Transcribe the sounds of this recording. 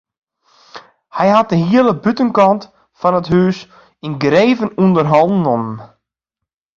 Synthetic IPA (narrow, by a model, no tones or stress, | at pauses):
hɛjɦat̚dəɦiələbytənkɑnt | fɔnətɦyːs | inɡreːvənundərɦɔlˠdn̩ɔnən